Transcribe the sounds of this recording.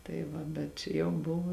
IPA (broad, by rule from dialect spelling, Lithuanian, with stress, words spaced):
tɐɪ ˈʋɐ bʲɛt ˈt͡ʃʲɛ jɛʊ ˈbʊʋʊ